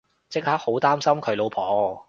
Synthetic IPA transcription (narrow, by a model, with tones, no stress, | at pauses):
t͡sɪ˥k̚haː˦˥k̚ho˨˥wt̪aː˥msɐ˥mkʰɵ˨˧ɥlo˨˧wpʰɔː˨˧